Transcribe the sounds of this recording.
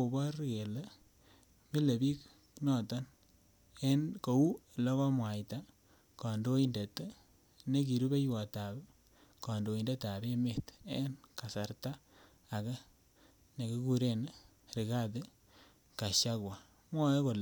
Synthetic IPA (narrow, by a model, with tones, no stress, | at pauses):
o˨bɔ˦ɾke˨le˦ | me˦le˨bi˦k | nɔ˨ta˦n | e˦nko˨u˦˨lɔ˦kɔ˦mwa˨jta˦ | kɔ˨ndo˦i˦nde˨t | ne˦k̬i˨ɾu˦be˦jwɔ˨ta˨b | kɔ˨ndo˨i˨nde˦ta˨be˦me˨te˦nka˨sa˨ɾtaː˦˨ | k | ne˨ki˦ku˦ɾe˦n˦ | ɾi˨ka˦t̬e˦ | ka˨ʃa˦kwa˨ | mwɔ˦ko˨l